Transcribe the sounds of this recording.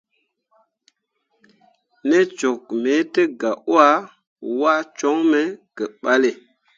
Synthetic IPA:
ne˦t͡ʃo˨k̚me˨˦tə˦ɡa˨ʔo˦a˦ | wa˦t͡ʃo˦ŋme˦kə˨ɓa˦le˨

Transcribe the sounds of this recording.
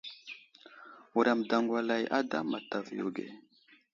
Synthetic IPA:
u˨ɾa˨mda˨ŋɡwa˨la˨jʔa˦da̰˦ma˨ta˨vjo̰˨ɡḛ˨

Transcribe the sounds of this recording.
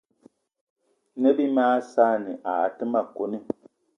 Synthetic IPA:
nɛ˦bi˦maː˦saː˦nɨ˨ʔa˨tɨ˦ma˨ko˨nɨ˦

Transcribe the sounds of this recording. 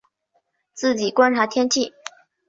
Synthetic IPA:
t͡sɹ̩˥˩t͡ɕi˨˩kwa˥nʈ͡ʂʰa˧˥t̪ʰjɛ˥nt͡ɕʰi˥˩

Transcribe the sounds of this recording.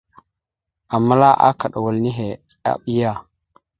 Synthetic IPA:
a˨mːa˦la˦ʔa̰˦ka˨ɗa˨wa˨lni˦ɦe˨ | a̰˨ɓi˦ja˦˨

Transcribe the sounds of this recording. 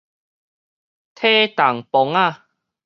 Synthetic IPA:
t̪ʰe˥˦t̪a˨˩ŋpɔ˧˦ŋa˦˧˨

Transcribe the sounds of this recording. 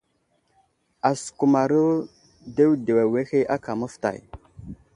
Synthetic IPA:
a˨su̥˨ku˨ma˨ɾə˦ | de˦wde˨wa˨we˦xe˦ʔa˦ka˨mə˦fta̰˨j

